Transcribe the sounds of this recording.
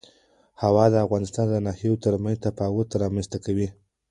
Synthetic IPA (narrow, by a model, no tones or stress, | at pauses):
hawɑd̪əafɣɑnɪst̪ɑnd̪ənɑheot̪əɾmant̪apɑwot̪aɾɑmanst̪akawi